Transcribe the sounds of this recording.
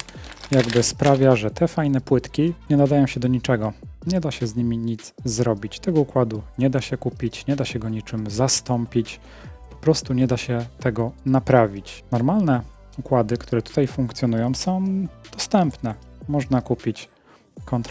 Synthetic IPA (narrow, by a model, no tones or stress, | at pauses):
jaɡbɘspɾavʲjaʐɛt̪ɛfajn̪ɛpwɘt̪kʲiɲɛnad̪ajɔ̃w̃ɕɛd̪ɔɲit͡ʂɛɡɔɲɛd̪aɕɛzɲimʲiɲid̪zzɾɔbʲit͡ɕt̪ɛɡɔukwad̪uɲɛd̪aɕɛkupʲit͡ɕɲɛd̪aɕɛɡɔɲit͡ʂɘmzast̪ɔmpʲit͡ɕ | pɔ̥pɾɔst̪uɲɛd̪aɕɛt̪ɛɡɔnapɾavʲit͡ɕnɔɾmalnɛ | ukwad̪ɘkt̪uɾɛt̪u̥t̪ajfuŋkt̪sʲjɔnujɔ̃w̃sɔ̃w̃d̪̥ɔst̪ɛmpnɛmɔʐnakupʲit͡ɕ | kɔnt̪